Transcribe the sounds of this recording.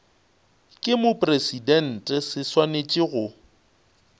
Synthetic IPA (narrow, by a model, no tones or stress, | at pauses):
kʼɪmʊpʼresidɛn̩tʼɛsɪswanet͡ʃʼɪɣʊ